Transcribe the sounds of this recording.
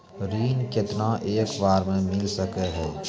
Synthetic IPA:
ɾiːnket̪naʔeːkbaːɾmẽmɪlsəkeɦɛː

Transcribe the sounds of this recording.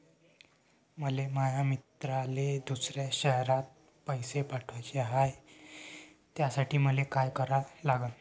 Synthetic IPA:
məleməjamit̪ɾaled̪usɾjaɕəɦɾat̪̚ | pəjsepaʈʰat͡ɕeɦaj | t̪jasaʈʰiːməlekajkəɾalaɡən

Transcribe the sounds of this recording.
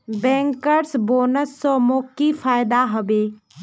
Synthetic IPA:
bɛ̃ːŋkəɾsboːnəsːɔmoːkifaːɪd̪aɦəʋeː

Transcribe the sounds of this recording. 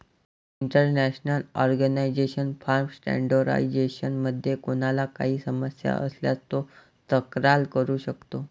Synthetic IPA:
iɳʈəɾnæɕnəlɔɾɡənaid͡ʑeɕənfaɾmsʈæ̰ɳɖoɾa̰id͡ʑeɕənməd̪ʱːjekonalaka̰ɦiːsəməsja̰ʔəslja̰t̪ːo | t̪əkɾalkəɾuːɕəkt̪o

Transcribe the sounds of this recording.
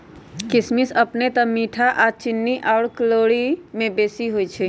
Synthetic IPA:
kismisəpnet̪əmiʈʰaʔat͡ʃinːiʔaʊɽkəloɽimẽbesiɦojt͡ʃʰɛ

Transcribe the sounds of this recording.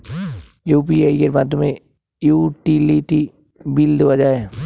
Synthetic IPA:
juːpiaːikeɾbaːd̪ʊmẽ | juːʈiliʈi | bɪld̪ʋɐd͡ʒaeː

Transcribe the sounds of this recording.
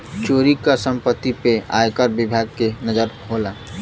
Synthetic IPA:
t͡ʃoɾikasəmpət̪ːipea̰jkəɾbibʱaɡkenəd͡ʒəɾɦola

